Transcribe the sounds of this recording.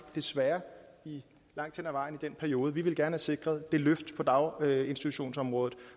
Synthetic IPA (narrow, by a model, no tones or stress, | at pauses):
d̥e̝sʋæːɐi | lɑ̈ŋ̰d̥hen̰æʋɑ̈ɪ̰nid̥en̰pʰæɐio̝ːð̞̩ˠəʋiʋe̝lɡ̥æɐnəhæse̝ɡ̥ʁɐð̩ˠd̥e̝løfd̥pʰɒ̽d̥ɑ̈ʊe̝nsd̥it͡sʰuɕo̝̰ːnsɒ̽mʁɔ̽ːð̩ˠ